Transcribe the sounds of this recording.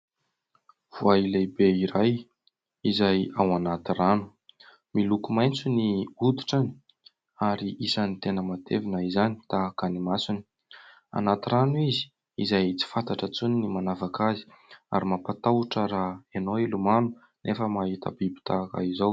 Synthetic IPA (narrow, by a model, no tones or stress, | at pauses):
v̥uailebeiɾaj | izajawanat̪iranu̥ | milukumajnt͡suniud̪i̥ʈ͡ʂani̥ | aɾiʔisanit̪enəmat̪evinəizanit̪aːkanimasini̥ | a̰nat̪iranuizi̥ | izajt͡si̥fant̪aʈ͡ʂət͡suninimanavakazi̥ | a̰ɾimapat̪awʈ͡ʂəɾaenoilumanu | nʔefəmaɦit̪ə̰bibi̥t̪ʰaka̰izaw